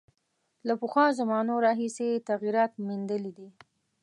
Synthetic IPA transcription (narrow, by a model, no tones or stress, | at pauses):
lapəxwɑzamɑnoɾɑɦiset̪aɣiɾɑt̪mind̪əlid̪i